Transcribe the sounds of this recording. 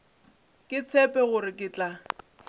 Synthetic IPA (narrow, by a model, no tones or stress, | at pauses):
kʼɪt͡sʰɛpʼɛɣʊɾɪkʼɪt͡ɬʼa